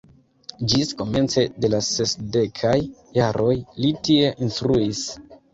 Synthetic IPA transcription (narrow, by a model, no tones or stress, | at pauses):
d͡ʒisko̞me̞nt͡se̞de̞lase̞sde̞kʰajːaɾo̞jlitie̞ʔinstɾuis